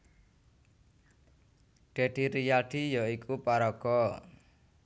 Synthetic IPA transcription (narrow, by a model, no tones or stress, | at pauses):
ɖ̥e̤ɖ̪̥i̤ɾijaɖ̥i̤jɔikʰupaɾɔɡ̥ɔ